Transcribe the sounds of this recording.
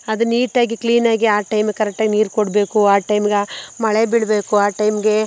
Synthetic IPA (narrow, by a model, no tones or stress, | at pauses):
ɐd̪uniːʈaːɡikliːnaːɡiaːʈɐjmɡekɐɾɛk̚ʈːaːɡiniːɾkoɽbe̞ːkuaːʈɐjmɡemɐɭebiɭbe̞ːkuaːʈɐjmɡe̞